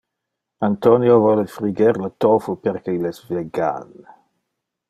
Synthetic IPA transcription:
ant̪onjovɔlefɾiɡeɾlət̪ofopeɾkeilɛsveɡa̰l

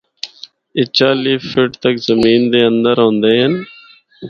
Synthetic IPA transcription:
ɪt͡ʃaːliːfɪʈt̪əkzəmiːnd̪eːənd̪əɾɦõːnd̪eːɦən

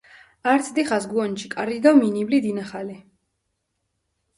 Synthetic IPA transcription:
aɾt̪sʰd̪iχasɡuɔnt͡ʃʰikʼaɾid̪ɔminiblid̪inaχali

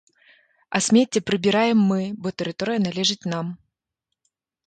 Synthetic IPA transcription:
ɐsʲmʲetʲːɪpɾɨbʲɪɾajɪmːɨbɔt̪əɾʲɪt̪oɾɨjɐnɐlʲɛʐɨt̪ʲnam

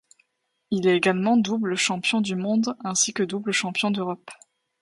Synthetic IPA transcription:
ilɛeɡalmɑ̃d̪ubləʃɑ̃pjɔ̃d̪ymɔ̃d̪ɛ̃sikəd̪ubləʃɑ̃pjɔ̃d̪øʁɔp

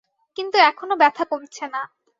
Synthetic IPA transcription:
kint̪uɛkʰonobɛt̪ʰakoɾt͡ɕʰena

